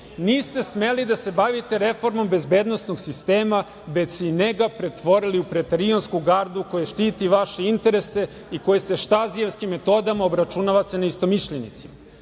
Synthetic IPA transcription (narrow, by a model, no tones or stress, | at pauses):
niːst̪e̞sme̞lid̪ase̞baʋit̪e̞ɾe̞fo̞ɾmo̞mbe̞zbe̞ːd̪no̞sno̞ɡsist̪eːma | ʋet͡ɕsineɡapɾe̞t̪ʋo̞ɾiliupɾet̪eɾionskuɡaɾd̪uko̞jeʃt̪iːt̪iʋaʃe̞int̪e̞ɾe̞se̞ | iko̞jest̪e̞ʃt̪azie̞ʋskimːe̞t̪o̞ːd̪amaobɾat͡ʃunaʋat̪senaist̪o̞miʃʎenḭt̪sima